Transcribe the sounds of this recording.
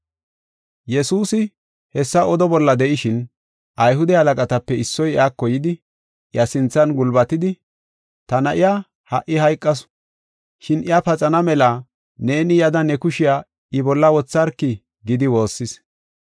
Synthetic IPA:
jɛsuːsɪ | hɛsːɐɔd̪ɔbɔlːɐd̪ɛʔɪʃɪn | ʔɐjɦʊd̪ɛhɐlɐkʼɐt̪ɐpːɛɪsːɔjakːɔjɪd̪ɪ | ʔɪjɐsɪnt͡sːɐnɡʊlbɐt̪ɪd̪ɪ | t̪ɐnɐʔɪja | hɐʔːɪhɐjkʼːɐs | ʃɪnʔɪjapɐt͡sʼɐnɐmɛla | ne̞ːnɪjɐd̪ɐnɛkʊʃɪja | ɪbɔlːɐwɔt͡sːɐɾkːɪ | ɡɪd̪ɪwo̞ːsːɪs

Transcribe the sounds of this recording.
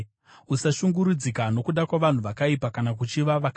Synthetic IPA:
usaʃuŋɡuɾud͡zikano̞kuɗakwaʋan̤uʋakaipakanak̬ut͡ʃiʋaʋak

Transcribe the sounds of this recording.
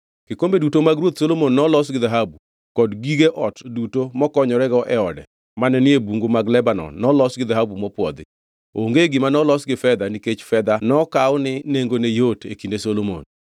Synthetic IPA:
ɡ̥ɪkombedutomaɡɾwot̪solomonːɔlɔs̬ɡɪðaɦabu | kɔdɡiɡeʔɔtdutomɔkɔɲɔɾɛɡɔʔɛɔdɛ̰ | manɛnɪebuŋɡomaɡlɛbanɔ̰nnːɔlɔsɡɪðaɦabumɔpwɔd̪ɪ̰ | oŋɡeɡɪmanɔlɔsɡɪfɛd̪aniket͡ʃfɛd̪anɔkaɔnɪneŋɡonejotʰḛkindesolomo̰n

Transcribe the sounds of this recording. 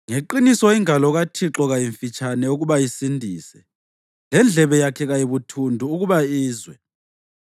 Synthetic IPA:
ŋeǃinisɔiŋʱalɔɣatʰiǁɔɣajiɱfit͡ʃʼʰanɛuɣuβajisindʱiːsɛ | lɛnd͡ɮʱɛβɛjakʰɛɣajiβutʰundʱuːɣuβaiːzwɛ

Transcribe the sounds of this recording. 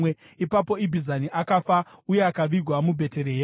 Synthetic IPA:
e | ipapo̞ibʱizaniʔakafauje̞akaʋiɡʱwamubʱe̞te̞ɾeɦe

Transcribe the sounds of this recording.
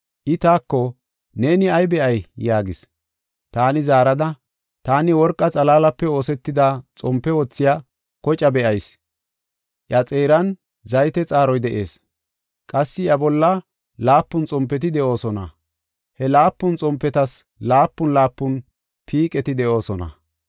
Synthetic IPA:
ʔɪt̪aːkːɔ | ne̞ːnɪɐjbɛʔɐjjaːɡɪs | t̪aːnɪzaːɾɐd̪ɐ | t̪aːnɪwɔɾkʼːɐt͡sʼɐlaːlɐpːɛo̞ːsɛt̪ːɪd̪at͡sʼɔmpːɛwɔt͡sːɪja | kɔt͡ʃʼɐbɛʔɐjs | ʔjɐt͡sʼe̞ːɾɐn | zɐjt̪ɛt͡sʼaːɾɔjd̪ɛʔḛːs | kʼɐsːɪjɐbɔlːɐ | laːpːʊnt͡sʼɔmpːɛt̪̬ɪd̪ɛʔo̞ːsɔnɐ̰ | hɛlaːpːʊnt͡sʼɔmpːɛt̪ɐs | laːpːʊnlaːpːʊn | pʰiːkʼɛt̪ɪd̪ɛʔo̞ːsɔnɐ̰

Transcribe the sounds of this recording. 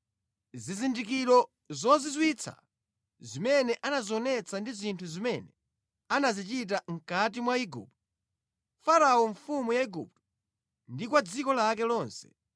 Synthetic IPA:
zizindikiɾɔ | zɔzizwit͡sʰa̰ | zimɛnɛʔanazɔnɛt͡sʰandizintʰuzimɛnɛ | anazit͡ʃit̬aŋ̩kat̬imwaiɡṵp̚tɔ | faɾaɔɱfumujaiɡṵp̚tɔ | ndikwad͡zikɔlak̬ɛlɔːnsɛ̥̰

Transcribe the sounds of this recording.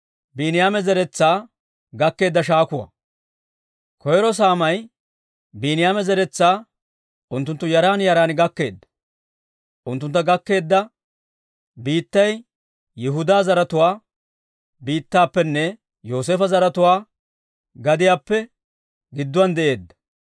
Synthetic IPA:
biːnɪjaːmɛzɛɾɛt͡sːaː | ɡɐkːe̞ːd̪ːɐʃaːkʊwɐ̰ | kʰɔjɾɔs̬aːmɐj | binɪjaːmɛzɛɾɛt͡sːaː | ʔʊnt̪ːʊnt̪ːʊjɐɾaːnjɐɾaːnɪɡɐkːe̞̰ːd̪ːɐ̥ | ʔʊnt̪ːʊnt̪ːɐɡɐkːe̞ːd̪ːɐ | biːt̪ːɐj | jɪɦʊd̪aːzɐɾɐt̪ʊwaː | biːt̪ːaːpːɛnːɛ | jo̞ːs̬eːfɐzɐɾɐt̪ʊwaː | ɡɐd̪ɪjaːpːɛ | ɡɪd̪ːʊwɐnd̪ɛʔe̞ːd̪ːɐ̥

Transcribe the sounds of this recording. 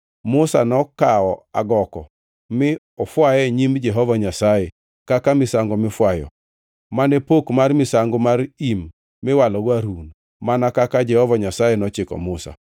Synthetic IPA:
mʊsa̰nɔkaɔa̰ɡɔkɔ | mɪ | ɔfwajɛɲimd͡ʒɛɦɔvaɲasajɛ | kakamɪsaŋɡɔmɪfwajɔ̰ | manepokmarmɪsaŋɡɔmaɾimː | ɪwalɔɡwaɾun | manakakad͡ʒɛhɔvaɲasajenɔt͡ʃɪkɔ̰mʊsa̰

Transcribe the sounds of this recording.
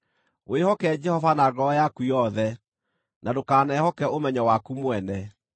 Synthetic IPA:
oehɔkɛd͡ʒɛhɔvanaɡɔjakujɔðɛ | nʔadokaːnɛhɔkɛomɛɲɔwakumwɛnɛ

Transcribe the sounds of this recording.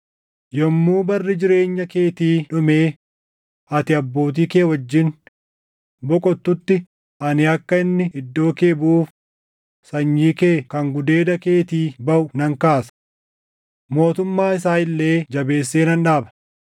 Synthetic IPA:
jɔmːuːbɐrːɪd͡ʒɪɾe̞ːɲːɐke̞ːt̪iːᶑʊmeː | ɐt̪ɪɐbːo̞ːt̪̬iːkeːwɐd͡ʒːɪn | bɔkʼɔt̪ːʊt̪ːɪ | ʔɐnɪɐkːɐɪnːɪɪd̪ːo̞ːke̞ːbuːf | sɐɲːiːke̞ːkɐŋɡʊd̪e̞ːd̪ɐkeːt̪iːbɐʔʊnɐŋkaːsɐ̥ | mo̞ːt̪ʊmːaːɪs̬aːɪlːeːd͡ʒɐbe̞ːsːeːnɐnᶑaːbɐ̥

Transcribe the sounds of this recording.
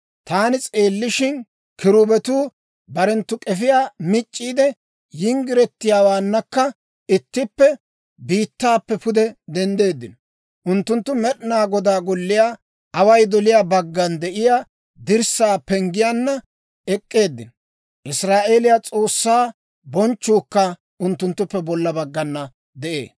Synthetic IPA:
t̪aːnɪt͡sʼeːlːɪʃɪn | kɪɾʊbɛt̪uː | bɐɾɛnt̪ːʊkʼɛfɪjaːmɪt͡ʃʼːiːd̪ɛ | jɪŋɡɪɾɛt̪ːɪjaːwaːnːɐkːɐ | ɪt̪ːɪpːɛ | biːt̪ːaːpːɛpʊd̪ɛd̪ɛnd̪e̞ːd̪ːɪnɔ | ʔʊnt̪ːʊnt̪ːʊmɛɗnaːɡɔd̪aːɡɔlːɪjaː | ɐwɐjd̪ɔlɪjaːbɐɡːɐnd̪ɛʔɪjaː | d̪ɪɾsaːpɛŋɡɪjanːɐ | ɛkʼːe̞ːd̪ːɪnɔ | ʔɪsɾaːʔe̞ːlɪjat͡sʼo̞ːsːaː | bɔnt͡ʃːuːkːɐ | ʊnt̪ːʊnt̪ːʊpːɛbɔlːɐbɐɡːɐnːɐ | d̪ɛʔḛː

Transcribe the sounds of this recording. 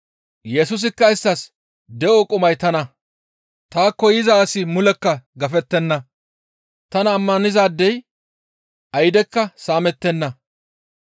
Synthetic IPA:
jɛsʊs̬ɪkːɐɪsːɐs | d̪ɛʔokʼʊmɐjt̪ɐnɐ | t̪aːkːɔjɪzɐːsɪmʊlɛkːɐɡɐfɛt̪ːɛnːɐ | t̪ɐnɐːmːɐnɪzaːd̪ːɛj | ʔɐjɪd̪ɛkːɐsaːmɛt̪ːɛnːɐ

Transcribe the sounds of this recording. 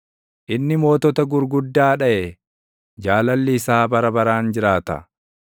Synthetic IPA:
ʔɪnːɪmo̞ːt̪ɔt̪ɐɡʊɾɡʊd̪ːaːᶑɐʔe | d͡ʒaːlɐlːɪːsaːbɐɾɐbɐɾaːnd͡ʒɪɾaːt̪ɐ̰

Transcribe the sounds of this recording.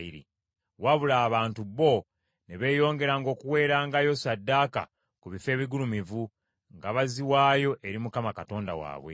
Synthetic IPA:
iɾḭ | waβulaːβaːntuβo̞ | ne̞βe̞ːjo̞ːŋɡe̞ɾaŋɡo̞ːkuwe̞ːɾaːŋɡajo̞sadːaːka̰ | kuβife̞ːβiɡulumivu | ŋɡaβaziwaːjo̞ʔe̞ɾimukamakato̞ːnda̰wa̰ːβwḛ

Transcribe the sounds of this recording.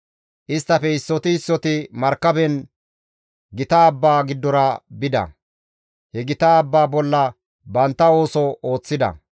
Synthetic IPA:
ʔɪst̪ːɐfɛɪsːɔt̪ɪɪsːɔt̪ɪmɐɾkːɐbɛn | ɡɪt̪aːbːaːɡɪd̪ːɔɾɐbɪd̪ɐ̰ | hɛɡɪt̪aːbːaːbɔlːɐ | bɐnt̪ːɐo̞ːsɔoːt͡sːɪd̪ɐ̰

